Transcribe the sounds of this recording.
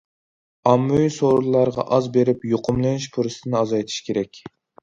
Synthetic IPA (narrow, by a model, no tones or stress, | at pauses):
ɑmːuisoɾulˠːɑɾʁɑ̰ʔɑzbeɾɪpjoqʰʊmlˠɨnɪʃpʰuɾɨst̪ʰɨnɨɑzɑjt̪ʰi̥ʃkʲʰeɾɛkʲ